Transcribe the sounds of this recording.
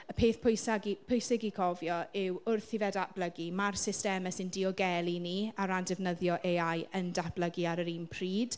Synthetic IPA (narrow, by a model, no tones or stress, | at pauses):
əpʰeːθpʰʊjsaɡipʰʊjsɪɡikʰɔvjɔɪwʊrθɪvɛdab̥ləɡimarsɪstɛməsɪndiɔɡɛlˠiniaɾandɛvnəðjɔʔeajəndab̥ləɡiaɾəɾiːnpʰriːd̥